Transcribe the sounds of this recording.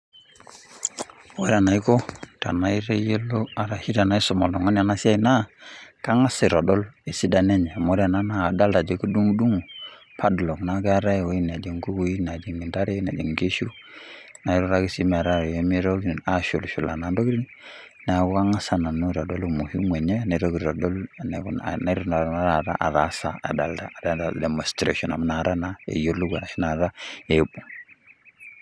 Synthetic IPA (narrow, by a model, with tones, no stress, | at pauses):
mo˦ɾa˨na˨i˦ko˦ta̰˨na˦i˦ɾe˦je˦lo˦a˨ɾa˨hi˦da˨na˦i˦so˨ma˨lo˨ŋo˦n˦a˨na˦si˦a˦i˨na˦ka˦ŋa˦si˨ɾo˨dɔ˦le˨si˦da˨ne˦ɲe˨mo˨˦ɾa˨na˦na˦a˨da˦lta˨d͡ʒe˨˦ku˦du˦ŋ˦du˦ŋu˨ | pʰa˦dlo˨kna˦ɡa˦ɾa˦jwo˦i˦n˨a˨d͡ʒi˨ŋɡu˦wu˦i˦na˨d͡ʒi˨ŋi˨da˦ɾe˦na˨d͡ʒi˨ŋɡe˦ʃu˦ | na˨˦ɾu˦ɾa˦ɡi˦si˦m˨a˨ɾa˦˨ɾje˦mi˦ɾo˦ɡi˦n˨a˦ʃu˨lʃu˨la˨na˨n˦do˦ɾi˦n | na˨ɡu˦a˦ŋa˦sa˦na˨nu˦ɾa˨do˦lmu˨hi˦mwe˨ɲe˦ne˨ɾo˦ɡɾɾa˨do˦ln˨na˨˦i˦ɾu˦˨na˨ɾma˦ɾa˦˨ɾa̰˦ʔa˨ða˨˦sa˨a̰˨da˨lda˦˨da˦da˨de˨mo˨stɾḛ˦˨ʃɔ˨na˨m˦na˨ɾa˦na˨ḛ˨jo˦lu˦ɡa̰˨na˨ʃi˦na˨ɾa˦e˨˦bu˨